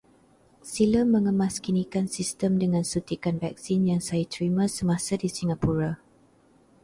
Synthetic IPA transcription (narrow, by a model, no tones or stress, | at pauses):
siləmːə̃ŋəmãskinikansist̪əmdəŋãnsut̪ikanvɛk̚sinjaŋsajat̪ɾimãsəmãsadisiŋapuɾa